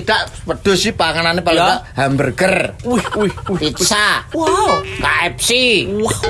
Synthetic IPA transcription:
id̪̥aʔpəd̪̥o̤sipaŋananepaltahambərɡ̥ər | it̪isa | kaɛp̚si

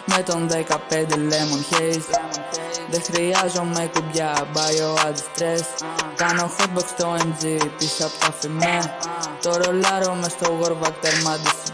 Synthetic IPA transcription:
met̪o̞nðekɐpend̪elemonçez | ðexɾiɐzomet̪ibʝɐbɐjoɐd̪st̪ɾeskɐnofut̪̚bɐkst̪oend͡zit̪isɐpkɐfimeɾt̪o̞ɾolɐɾomest̪oɣoɾvɐt̪eɾmɐd̪is

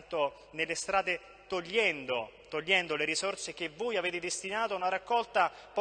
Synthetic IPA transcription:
t̪o | nelːest̪ɾaːd̪e | t̪oʎːɛnd̪ot̪oʎːɛnd̪oleɾisorsek̟evːoːjaveːt̪ed̪est̪inaːt̪oaunaɾakːɔlt̪ap

